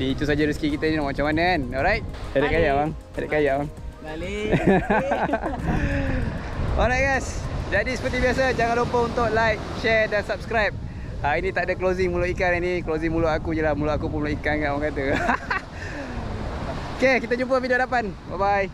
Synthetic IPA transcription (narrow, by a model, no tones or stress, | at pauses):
diːt̪usad͡ʒaɾisə̥kikit̪əinilamat͡ʃamanənɔlɾajt̪̚d͡ʒadaʔkajaʔwaŋd͡ʒadaʔkajaʔwaŋ | ɔ̰lɾajt̚ɡasd͡ʒadisə̥pərt̪̬ibiasəd͡ʒaŋãnlompəunt̪ʊʔlajk̚ʃɛdansap̚skɾajp̚ | ainĩt̪aʔdəklozɪŋmũloʔikananiklozɪŋmulʊʔakujəlahmulʊʔakupunmuloʔikankaʔwaŋkat̪ə | okekit̪əd͡ʒumpəvidiodapan̚babaj